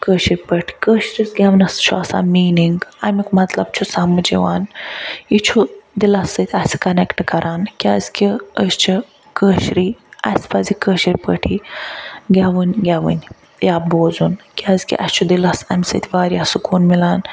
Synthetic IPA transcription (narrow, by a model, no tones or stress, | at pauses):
kəːɕɾipəʈʰi̥kəɕɾisɡʲaʋnɐst͡ʃʰuasa̰ːmiːniŋɡamikmɐt̪lɐbt͡ʃʰusamɨd͡ʒḭʋa̰ːnit͡ʃʰud̪ilasːət̪ʰʲasi̥kɐnekʈkɐɾʔaːnkʲia̰zkʲiəst͡ʃʰi | kəːʃɾiːɐ̰spɐzikəʃɾʲipə̰ʈʰi | ɡʲaʋɨnʲɡʲaʋə̰nʲ | jaːboːzunkiazkḭʔɐ̰st͡ʃʰud̪ilasa̰mʲsə̰t̪ʰʲʋaːɾiasukuːnmilaːn